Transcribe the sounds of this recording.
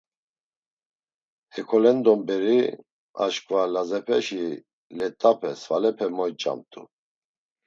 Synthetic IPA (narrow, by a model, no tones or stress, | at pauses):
hɛkʰɔlɛnd̪ɔmbɛɾi | a̰ʃkʼvalazɛpʰɛ̰ʃi | lɛt̪ʼapʰɛsvalɛpʰɛmɔjt͡ʃʼa̰mt̪ʼṵ